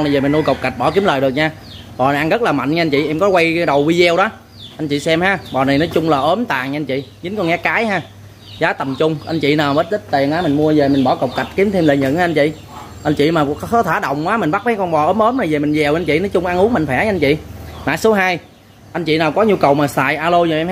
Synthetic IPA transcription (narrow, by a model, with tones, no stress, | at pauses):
na˨˩veː˨˩mi˨˩nu˧jkə˨˩wk͡p̚ka˨˩jk̚ɓɔ˧˩ki˨˦əmləː˨˩ɗɨ˨˩ək̚ɲaː˧ | ɓɔː˨˩n˨˩jʔa˧ŋɣə˦˥t̚laː˨˩ma̰˧˨nɲaː˧nt͡ɕḭ˧˨ʔɛ˧mkɔ˨˦kwa˧jɗə˨˩wwi˧zɛ˧wɗɔ˨˦ | ʔa˧nt͡ɕḭ˧˨sɛ˧mhaː˨˦ɓɔ˨˩na˨˩jnɔ˨˦jt͡ɕʊ˧ŋ͡mlaː˨˩ʔəː˨˦mt̪a̰ː˨˩ŋɲaː˧nt͡ɕḭ˧˨zɨ˨˦ŋkɔ˧nŋɛ˨˦kaː˨˦jɦaː˧ | zaː˨˦t̪ə˨˩mt͡ɕʊ˧ŋ͡mʔa˧nt͡ɕḭ˧˨naː˨˩wməː˦˥t̚t̪ʰi˦˥t̚t̪i˨˩ənʔaː˨˦mi˨˩ŋmu˧əze˨˩mi˨˩ŋ̟ɓɔ˧˩kə˨˩w̚ka˨˩jt̚ki˨˦əmt̪ʰe˧mlə̰ː˧˨ɲə̰˧˨naː˧ʔnt͡ɕḭ˧˨ | ʔa˧nt͡ɕḭ˧˨maː˨˩˦ɔ˨˦t̪ʰaː˨˩˦ɗə̰˧˨wŋ͡mkwaː˨˦mi˨˩ŋ̟ɓa˦˥k̚maː˨˦jkɔ˧nɓɔ˨˩ʔəː˨˦mʔəː˨˦mna˨˩jve˨˩mï˨˩ŋ̟zɛ˨˩wa˧nt͡ɕḭ˧˨nɔ˨˦t͡ɕʊ˧ŋ͡mʔa˧nʔu˨˦əŋma̰˧˨ŋ̟fɛ˧˩ɲa˧a˧nt͡ɕḭ˧˨maː˧˨˩su˨˦ɦaː˧j | ʔa˧n̟t͡ɕḭ˧˨naː˨˩wkɔ˨˦ɲu˧kə˨˩wmaː˨˩sa̰ː˧˨jʔaː˧lo˧zo˨˩ʔɛ˧m˦˥